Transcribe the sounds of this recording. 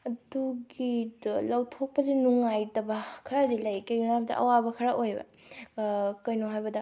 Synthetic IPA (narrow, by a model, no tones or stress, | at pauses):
ɐduɡilawtʰok̚pɐzenuŋajdɐbɐkʰɐɾadilɐjkɐjuŋab̚dɐ̰ʔɐ̰wabɐkʰɐɾaʔojbɐ̰ | kɐjnoɦajbɐdɐ